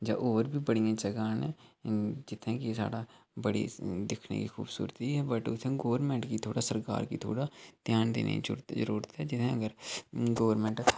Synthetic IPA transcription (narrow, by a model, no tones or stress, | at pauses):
d͡ʒa̰ːʔoːɾbʱiːbəɽijãːd͡ʒəɡãːnɛ̃ːd͡ʒɪt̪ʰːẽːkisa̰ːɽaː | bəɽḭd̪ɪkʰnḛkiːxʰuːbsṵːɾt̪iɦɛbəʈʊt̪ʰẽɡoːʋəɾmɛ̃ːɳʈkit̪ʰoːɽaːsəɾka̰ːɾkit̪ʰo̰ːɽaːd̪̥jaːnd̪ḛːnḛ̃d͡ʒʊ̰ɾt̪ːəɾuːɾət̪ɦɛːd͡ʒɪt̪ʰẽːəɡəɾɡoːʋəɾmɛ̃ːɳʈʰ